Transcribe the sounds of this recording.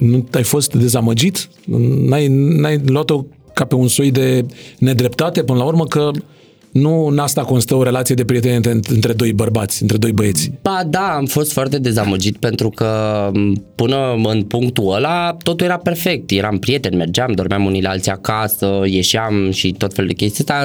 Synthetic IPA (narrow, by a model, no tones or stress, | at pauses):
nuajfo̞st̪d̪e̞zaməd͡ʒit̪ | najnajluat̪o̞ | kape̞unsojd̪e̞ne̞d̪ɾe̞pt̪at̪e̞pɨnəlaurməkə | nunast̪ako̞nst̪əoɾe̞lat̪sijed̪e̞pɾije̞t̪eneeɨnt̪ɾed̪o̞jbərbat̪sʲɨnt̪ɾe̞d̪o̞jbəe̞t̪sʲbad̪aːmfo̞st̪foart̪e̞d̪e̞zaməd͡ʒit̪pe̞nt̪ɾukə | pɨnəɨnpuŋkt̪uəlat̪o̞t̪uljeɾape̞rfe̞k̚t̪je̞ɾampɾije̞t̪e̞nʲme̞rd͡ʒamd̪o̞rmeamunilealt̪siakasəje̞ʃiamʃit̪o̞t̪feluld̪e̞kʲe̞st̪iast̪a